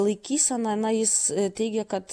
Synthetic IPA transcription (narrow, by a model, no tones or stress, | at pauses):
lˠɐɪkʲiːsʲɛnɐnɐjɪst̪ʲɛɪɡʲɛkɐt̪